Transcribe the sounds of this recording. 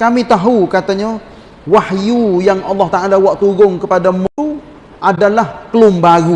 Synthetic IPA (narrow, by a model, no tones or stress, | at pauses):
kamit̪aɦukat̪aɲa | wahjujaŋʔɑlːɑht̪aʔalawaʔt̪uɡʊŋkəpadamu | ʔadalahkəlʊmbaɾu